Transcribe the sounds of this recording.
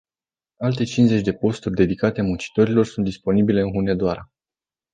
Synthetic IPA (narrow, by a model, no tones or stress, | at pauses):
alt̪e̞t͡ʃinze̞t͡ʃʲd̪e̞po̞st̪urʲd̪e̞d̪ikat̪e̞munt͡ʃi̥t̪o̞ɾilo̞rsunt̪d̪ispo̞nibile̞ɨnxune̞d̪oaɾa